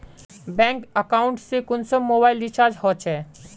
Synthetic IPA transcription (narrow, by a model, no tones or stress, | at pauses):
bɛ̃ŋkəkaːʊɳʈsekʊnsəmmːoːbaːɪlɖit͡ʃaːɾd͡ʒhɔt͡ʃʰɛː